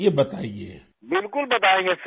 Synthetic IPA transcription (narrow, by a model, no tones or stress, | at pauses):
ebɐt̪aːiḛː | bɪlkʊlbɐt̪aːẽːŋɡes